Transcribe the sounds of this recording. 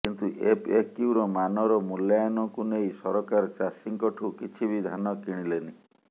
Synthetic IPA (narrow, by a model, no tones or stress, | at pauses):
kint̪uʔepekːiwɾɔmanɔɾɔmuljajɔnɔkunejsɔɾɔkaɾt͡ʃasiŋkɔʈʰukit͡ʃʰibid̪ʱanɔkiɽ̃ileni